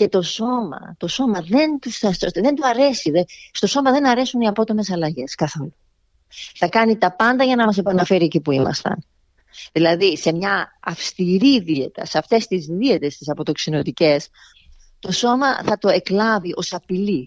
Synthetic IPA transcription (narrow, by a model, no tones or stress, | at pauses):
ce̞t̪o̞so̞mɐ̰t̪o̞so̞mɐðe̞nt̪usɐsoðe̞nd̪uɐɾe̞siðest̪o̞so̞mɐðe̞nɐɾe̞suniɐpo̞t̪o̞me̞sɐlɐʝe̞skɐθolo | θɐkɐnit̪ɐpɐnd̪ɐʝɐnɐmɐs̬e̞pɐnɐfe̞ɾiecipuimɐ̰st̪ɐ̰n | ðilɐðise̞mɲɐɐfst̪iɾiðie̞t̪ɐ̰seɐft̪e̞st̪izðie̞t̪e̞st̪isɐpo̞t̪o̞ksino̞t̪ice̞s | t̪o̞so̞mɐθɐt̪o̞e̞klɐviʔo̞sɐpili